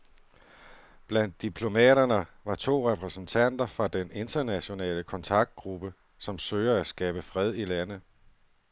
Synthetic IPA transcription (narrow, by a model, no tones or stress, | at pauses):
b̥læn̰d̥̚ːipʰlo̝mɛ̰ːɾɐnəʋɑ̈t͡sʰo̝̰ːʁɛpʰʁɛsn̩t͡sʰæn̰d̥ɐfʁɑ̈d̥ene̝nd̥ɐnæɕo̝nɛ̰ːləkʰɒ̽nt͡sʰɑ̈ɡ̥̚d̥̚ɡ̥ʁub̥ə | sɒ̽msøːɪɐæsɡ̥ɛːb̥əfʁɛð̞̰ˠilænð̩ˠ